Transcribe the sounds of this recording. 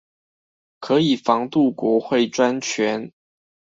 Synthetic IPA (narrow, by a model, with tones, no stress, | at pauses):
kʰɤ˧˥i˨˩fɑ˧˥ŋt̪u˥˩kwɔ˧˥xwe˥˩ɪʈ͡ʂwa˥nt͡ɕʰɥɛ˧˥n